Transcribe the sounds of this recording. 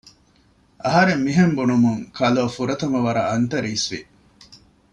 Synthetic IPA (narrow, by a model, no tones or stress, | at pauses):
ʔɐɦɐɾemːiɦembunumuŋkʰɐloːfuɾɐt̪ɐmɐʋɐɾɐɐnt̪ɐɾiːsʋi